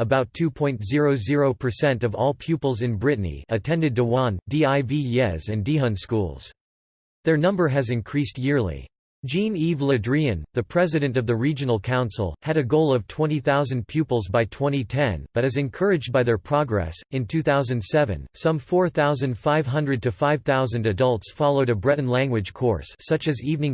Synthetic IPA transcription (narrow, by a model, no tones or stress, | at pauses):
əbaʊtʰʉpʰɔ̃ɪ̃ntz̥ɪɹoʊzɪɹoʊpʰə˞sɛ̃ntʌvɔ̰lˠpʰj̥ʉpl̩ˠzɨ̃nbɹɪʔnḭɨtʰɛ̃ndɨd̚təwɑ̃ndiaɪviɛzɨ̃ndiɦə̃nskṵlˠz̥ | ðə˞nʌ̃mbə˞ɨzɨ̃nkʰɹ̥ist̚jɪɹlˠḭ̥ | d͡ʒĩnivlɨdɹiɨ̃nðɨpʰɹ̥ɛzɨɾɨ̃ntʌvðɨɹid͡ʒɨnl̩ˠkʰãʊ̃nsl̩ˠɨɾɨɡoʊlˠʌv̥tʰw̥ɛ̃ɾ̃iθaʊzɨ̃n̩pʰjʉpl̩ˠzbaɪtʰw̥ɛ̃ɾ̃itʰɛ̃nb̥ʌɾɨzɨ̃nkʰɜ˞ɨd͡ʒbaɪðə˞pʰɹ̥ɑɡɹɛ̰sɨ̃ntʰʉθaʊzɨ̃nd̥sɛvɨ̰̃nsʌ̃ɱfɔɹθaʊzɨ̃ndfaɪv̥ɦʌ̃ndɹɨd̚tʰɨfaɪv̥θaʊzɨ̃ndɨdʌlˠtsfɑlˠoʊɾɨbɹɛd̃n̩læ̃ŋɡwɨd̥ʒ̥kʰɔ̰ɹsːʌt͡ʃɨzivnɪ̃ŋ